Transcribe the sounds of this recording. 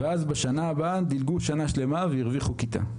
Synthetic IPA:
eazbeʃanaːbad̪ilɡuʃanaʃle̞mavejiʁviχukit̪a̰

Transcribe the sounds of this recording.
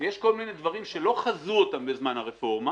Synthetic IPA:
jeʃkolmine̞d̪vaʁimʃe̞lo̞χazuotambe̞zmanhaʁefo̞ʁma

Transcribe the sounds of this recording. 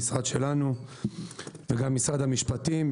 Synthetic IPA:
sʁad̪ʃe̞lanu | veɡamːisʁad̪hamiʃpat̪im

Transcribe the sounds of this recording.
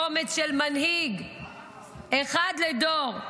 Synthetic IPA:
omet͡sʃelmanɦiɡ | eχad̪led̪oʁ

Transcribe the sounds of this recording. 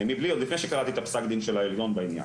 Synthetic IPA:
mibliod̪lifneʃekaʁat̪it̪apsakd̪inʃelaeljo̞nbainja̰

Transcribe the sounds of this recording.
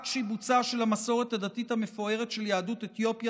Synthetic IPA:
tʃibut͡saʃe̞lamaso̞ʁet̪hadat̪ithame̞fo̞e̞ʁe̞tʃeljaːdutet̪jo̞pja

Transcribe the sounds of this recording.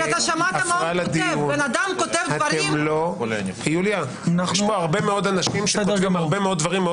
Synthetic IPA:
taʃamaaafʁalad̪iunbenad̪amkot̪evhatvɐɾemmlo | pijulja | naʃmoaʁbe̞meo̞d̪anaʃimʃekvimaʁbemeod̪̚d̪vaʁimːeo

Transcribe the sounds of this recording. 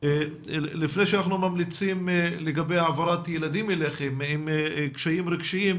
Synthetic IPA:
lifne̞jʃeanaχnumamlit͡simleɡabejaːvaɾat̪jelad̪imeleχemimkʃajimɾiɡʃiim

